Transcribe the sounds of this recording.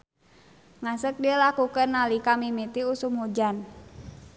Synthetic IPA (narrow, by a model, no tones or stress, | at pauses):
ŋasək̚diəlakukənːalikamimit̪iusumhud͡ʒan